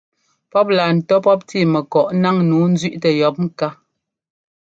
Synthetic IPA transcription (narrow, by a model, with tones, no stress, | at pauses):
pɔ˦p̚la˨n̩˨tɔ˦pɔ˦p̚tiː˦˨mɛ˨kɔ˨ʔna˦ŋnuː˨˦n̩˦zɥi˦ʔtɛ˨jɔ˨˦p̚ŋ̩˦ka˦